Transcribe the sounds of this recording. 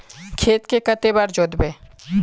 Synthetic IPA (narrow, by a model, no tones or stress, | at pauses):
kʰeːt̪kekət̪ebaɾd͡ʒod̪beː